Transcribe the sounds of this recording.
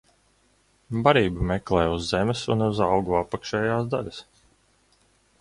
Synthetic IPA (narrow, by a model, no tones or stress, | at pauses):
baɾiːbumɛklˠɛːjuzːemɛsunuzawɡuapːakʃɛːjaːsd̪alʲas